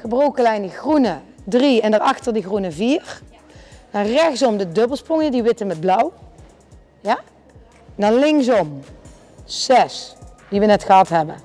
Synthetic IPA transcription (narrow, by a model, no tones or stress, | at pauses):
χəbrowkəlɛjndəχrunədriɛndəɹɑxtəɹdiɣrunəviːr | dɑnrɛxtsɔmdədɵbəlˠsprɔŋjədiʋɪtəmɛd̚blʌw | ja | ndɑnlɪŋks̬ɔm | sɛsdiʋənɛtxəɦɑtɦɛbən